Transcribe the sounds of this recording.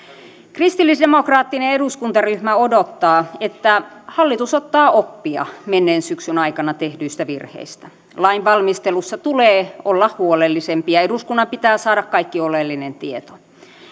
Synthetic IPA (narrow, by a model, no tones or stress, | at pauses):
krist̪ilːisdemokrɑːt̪ːineeduskunt̪ɑryhmæodot̪ːɑːet̪ːæhɑlːit̪usot̪ːɑːʔopːiɑ̰menːeːnsyksynɑikɑnɑt̪ehdyːst̪æʋirhḛist̪æ | lɑinʋɑlmist̪elusːɑt̪uleːolːɑhhuolelːisempiɑeduskunːɑmpit̪æːsɑːɾɑkkɑikːiolelːinent̪iet̪o